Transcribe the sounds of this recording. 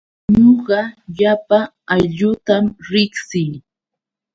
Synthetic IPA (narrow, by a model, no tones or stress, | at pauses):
ɲoɢɑʎapa | aʎʊt̪amɾɪksɪj